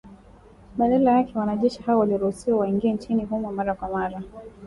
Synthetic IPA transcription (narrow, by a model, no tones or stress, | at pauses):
ɓalɛlajakɛwanaʄɛʃihaɔwaliɾuhusiwawaiŋɡiant͡ʃiniɦumwmaɾakwamaɾa